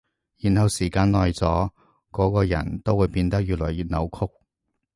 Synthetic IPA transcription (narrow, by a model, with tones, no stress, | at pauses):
jiː˨˩nhɐ˨˧wsiː˨˩kaː˧nlɔː˨˧jt͡sɔː˨˥ | kɔː˨˥kɔː˧jɐ̰˨˩nt̪o˥wuː˨˧jpiː˧nt̪ɐ˥k̚jyː˨˧lɔ̰ː˨˩jiː˧t̚nɐ˨˧wkʰʊ˥k̚